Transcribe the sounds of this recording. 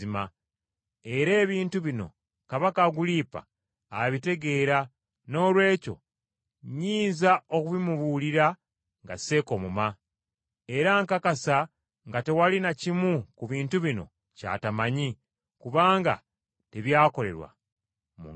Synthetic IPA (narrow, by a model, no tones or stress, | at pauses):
ima | e̞ɾe̞ːβiːntuβino̞̰ | kaβakaɡuliːpa̰ː | βite̞ɡe̞ːɾa | no̞ːlwe̞ːco̞̰ | ɲiːnzaokuβimuβuːliɾa | ŋɡa̰se̞ko̞muma | e̞ɾaŋkakasa | ŋɡate̞walinacimukuβiːntuβino̞̰ | ca̰ːtamaɲi | kuβaːŋɡa̰ | teβjaːko̞le̞̰ɾwa̰ | mṵ